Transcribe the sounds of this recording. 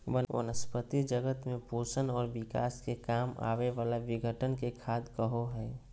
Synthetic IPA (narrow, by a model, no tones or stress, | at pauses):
ʋəʋə̰nəspət̪id͡ʒəɡət̪mẽpuːsənɔːɾbɪka̰ːskekaːma̰ːʋeʋaːlaʋɪɡʱəʈənkekʰaːd̪kəɦoɦɛː